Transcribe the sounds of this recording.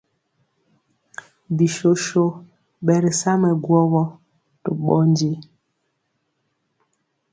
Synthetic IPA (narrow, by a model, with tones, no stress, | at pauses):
bi˨ʃo˨ʃo˦ | ɓɛ˨ɾi˨sa˦mɛ˨ɡwɔ˦wɔ˦ | to̰˨ɓɔ˦n˦d͡ʒi˦